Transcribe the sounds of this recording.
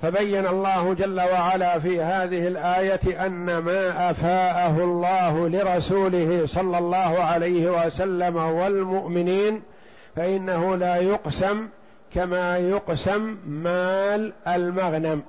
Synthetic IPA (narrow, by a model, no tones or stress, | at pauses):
fabajːanɑlˤːɑːhʊd͡ʒalːawaʕalaːfiːhaːðɪhɪlʔaːjat̪ʔanːamaːʔafaːʔaɦʊlˤːɑːɦʊlɪɾˤɑsuːlɪhɪsˤɑlːɑlˤːɑːɦʊʕalajhɪwasalːamawalmʊʔmɪniːn | faʔɪnːaɦʊlaːjʊqsam | kamaːjʊqsamːaːlʔalmaɣnam